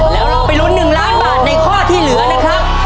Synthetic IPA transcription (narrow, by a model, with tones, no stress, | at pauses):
lɛː˦˥wɾa˧wpa˧jlu˦˥nːɯ˨˩ŋlaː˦˥nbaː˨˩t̪̚na˧jkʰɔː˥˩t̪ʰiː˥˩lɯ˨˩˦ɐna˦˥kʰɾa˦˥p̚